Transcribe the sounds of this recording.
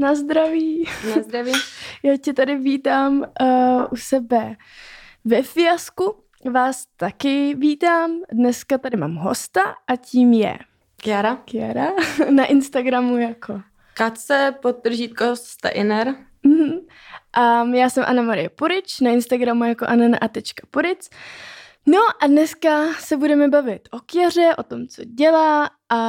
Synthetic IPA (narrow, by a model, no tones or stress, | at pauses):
nazd̪ɾaviːnazd̪ɾavijaːcɛt̪adɪviːt̪aːmʔusɛbɛ | vɛfɪjasku | vaːst̪akɪviːt̪aːmdnɛskat̪adɪma̰ːmɦo̰st̪aʔaciːmjɛ̰ | kɪaɾakɪjaɾanaʔɪnst̪aɡɾamujakʰo̞ | kat̪sɛpot̪ːr̩ʒiːt̪̚kosst̪a̰ʔɪnɛɾ | m̩ɦ̩ | ʔajaːsɛmʔa̰namaɾɪjɛpuɾɪt͡ʃnaɪnst̪aɡɾamujakoʔananaʔat̪ɛt͡ʃkḁpuɾɪt͡s | no̞ʔadnɛskasɛbudɛmɛbavɪt̪ʔo̞kjar̝ɛʔo̞t̪o̞mt͡so̞ɟɛlaːʔa